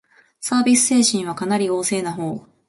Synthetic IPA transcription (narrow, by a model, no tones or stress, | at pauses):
saːbʲisɨ̥se̞ːɕĩɰ̃β̞akanaɾʲio̞ːse̞ːnaɦo̞ː